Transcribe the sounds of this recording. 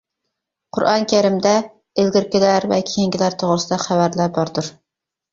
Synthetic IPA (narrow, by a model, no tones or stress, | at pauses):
qʰʊɾʔɑnkʲʰæɾɪmd̪ɛ | elɡʲɪɾkʲilæɾvɛkʲʰijiŋɡʲilæɾt̪ʰoʁɾɨsɪd̪ɛχævæɾlæbɑɾd̪ʊɾ